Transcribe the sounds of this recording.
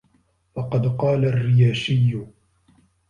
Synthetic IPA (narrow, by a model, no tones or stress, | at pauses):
fɑqɑd̪qɑːlarːɪjaːʃɪjːʊ